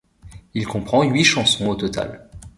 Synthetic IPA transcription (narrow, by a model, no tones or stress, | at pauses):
ilkɔ̃pχɑ̃ɥiʃɑ̃sɔ̃ot̪ɔt̪a̰l